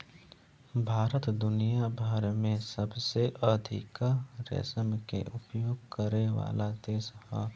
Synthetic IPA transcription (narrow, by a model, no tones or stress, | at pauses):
bʱaːɾət̪d̪ʊnijabʱaːɾmẽsəbseʔəd̪ʱɪ̰kaɾɛ̰səmkḛʔʊpjoːɡ̚kəɾeʋa̰ːlad̪eːsha̰